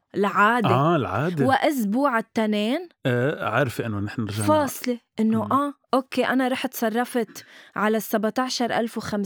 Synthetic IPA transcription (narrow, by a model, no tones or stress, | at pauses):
ɪlʕaːd̪ealʕaːd̪ewɪʔʊs̬buːʕɪt̪ːaneːnʕɑɾˤfiʔɪnːonɪħnnɪɾʒaʕfɑːsˤleʔɪnːoʔaːʔoːkːeːʔanaɾˤɑːħt̪sˤɑrˤːɑfɪt̪ʕalasːabʕt̪aʕʃɑɾˤʔa̰lfwxam